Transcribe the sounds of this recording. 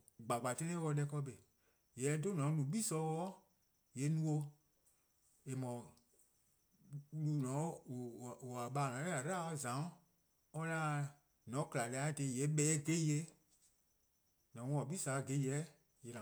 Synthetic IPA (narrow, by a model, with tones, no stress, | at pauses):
ɡ͡ba˨ɡ͡ba˨tɛ̃˦nẽ˦wɔ˧˦lɛ˧˦kɔ˧be˨ | jɛ˨˦do˦nɔ̃˨˦nũ˨˦ɓiː˦sɔ˧˦wɔː˦ | je˨˦nũ˦o˧ | e˨mɔ̃˨˧˦ | lu˧˦nɔ̃˨˦˨ | a˨ɓaː˧˦˨nɔ̃˨˦ɛ˦a˨ɾa˦ɔ˧zã˨˦ | ɔ˧la˦ | nɔ̃˨˦kla˨lɛ˧a˨˦˨de˧˨jɛ˨˦ɓɛː˨˦ɡe˦je˧˦ | nɔ̃˨˦wɔ̃˧˦ɔ˨ɓiː˦sa˨˦˧ɡe˧˦jɛ˨˦ | je˨la˨